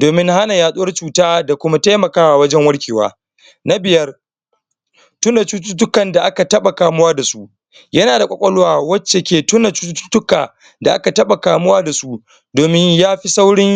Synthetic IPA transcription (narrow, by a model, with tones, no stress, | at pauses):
doː˨mɪ˦ŋha˦na˨jaː˨ɗʊ˦wɐ˦rt͡ʃuː˨taː˦da˨kʷʊ˦ma˦ta˦jmɐ˨kaː˦waː˨wɐ˦d͡ʒɛ˦ŋwɐ˦ɽkʲeː˨wa̰ː˦ | na˦bɪ˨jɐ˦r | tʊ˦na˨t͡ʃuː˦tʊ˦tʊ˦kɐ˨nda˨ʔa˦ka˨tɐ˦ɓa˨kaː˨mʊ˦waː˦da˨su˦ʔ | jɐ˦naː˨da˨kʷɔ˨kʷʼɐ˦lʊ˦waː˨wɐ˦t͡ʃːe˨kʲeː˨tʊ˦na˨t͡ʃuː˦tːtʊ̥˦tʊ˦kaː˨ | da˨ʔa̰˦ka˨tɐ˦ɓa˨kaː˨mʊ˦waː˦da˨su˦ | doː˨mɪ˦ɲjaː˦ɸi˦sa˦wɽɪ˦ŋ